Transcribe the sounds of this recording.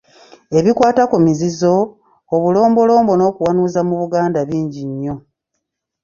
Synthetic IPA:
e̞βikwaːtakumizizo̞ː | βulo̞ːmbo̞lo̞ːmbo̞no̞ːkuwanuːzamuβuɡaːndaβiːɲɟiɲːo̞

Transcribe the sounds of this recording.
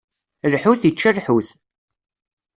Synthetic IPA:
lħuθjət͡ʃːərħuθ

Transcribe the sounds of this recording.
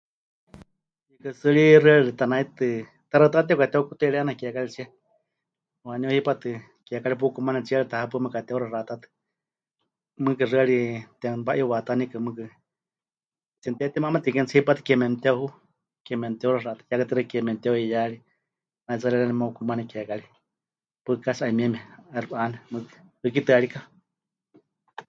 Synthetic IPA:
ikɨsɨɺirɨaɺiɺɨt̪anait̪ɨ | t̪aɾat̪at̪̬ɛwkat̪ɛukut̪ɛiɺɛanakakalit͡ʃiɛ | waniuhipat̪ɨ | kakaɺip̬ukumanɛt͡ʃiaɾit̪ahap̬ɨmɨkat̪ɛuɾarat̪at̪ɨ̥ | mɨkɨrɨaɺit̪ɛbaʔiuwat̪anikɨmɨkɨ | t͡sint̪ɛt̪ɛmamat̪ikɛnt͡sʰhipat̪ɨ̥kɛmɛnt̪ɛhu | kɛmɛnt̪ɛurarat̪ḁjakɨt̪ɨɾɨakɛmɛnt̪ɛuijaɺi | nat͡saɾiɾanɛmaukumanɛkɛkaɺi | pɨkasaʔimɛmɛɛrpʔanɛmɨkɨ̥hɨk̬it̪ɨaɺika

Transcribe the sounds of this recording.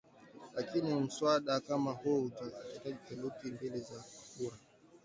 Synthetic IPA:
lakinim̩swaɗakamahuutakaitakɛlutimbɛlɛzakuɾa

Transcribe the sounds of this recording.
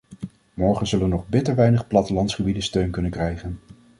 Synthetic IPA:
mɔɹχənzɵləənɔχbɪtəɹʋɛjnəχplɑtəlɑntsχəbidəstøɥnkɵnənkrɛjχən

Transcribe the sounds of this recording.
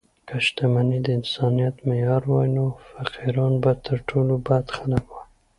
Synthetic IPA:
kaʃt̪amanid̪əɪnsɑnijat̪mejɑɾwɑjnofaqʰiɾɑnbat̪ʰəɾʈʰolobad̪xalakwaj

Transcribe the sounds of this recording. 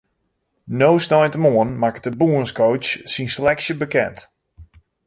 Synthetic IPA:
nowsnɔjntəmoənmakətəbuənskʰowt͡ʃsinsəlɛksjəbəkɛ̰nt

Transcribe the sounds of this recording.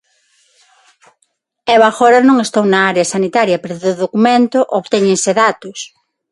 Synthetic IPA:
ɛβaxɔɾanõŋest̪ownaaɾeɐsanit̪aɾjɐpeɾoðʊðokumẽnt̪ʊʔoβt̪eɲẽŋseðat̪ʊs

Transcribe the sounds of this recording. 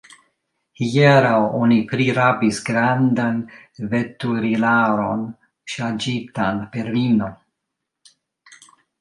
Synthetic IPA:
hieɾawonipɾiɾabisɡɾandanvetuɾilaɾo̞n | ʃad͡ʒitanpeɾvino̞

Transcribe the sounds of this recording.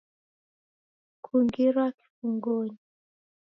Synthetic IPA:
kʰuŋɡiɾwaki̥fuŋɡoɲi

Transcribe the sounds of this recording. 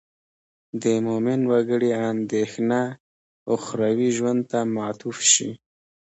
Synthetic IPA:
d̪əmomɪnwaɡəɽiand̪exna | oxɾawiʒwand̪̚t̪amat̪ufʃḭ

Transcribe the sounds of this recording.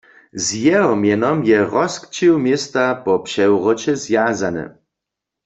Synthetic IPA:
zjɛɦɔmjɛnɔmjɛʁɔskt͡ɕiwmjɛst̪apɔpʂɛwʁɔt͡ɕɛzjazanɛ̰

